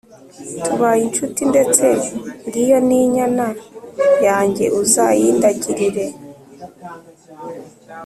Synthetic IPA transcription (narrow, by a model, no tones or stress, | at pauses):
tuβajint͡ʃutinde̞t͡se̞nɾijo̞niɲanajaːɲɟe̞̰ʔuzajiːndaɟiɾiɾe̞